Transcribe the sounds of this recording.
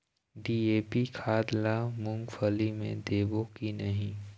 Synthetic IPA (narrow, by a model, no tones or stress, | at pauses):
ɖiːeːpikʰaːd̪lamʊ̃ŋɡfʰəlimḛ̃d̪eːbokinəɦĩ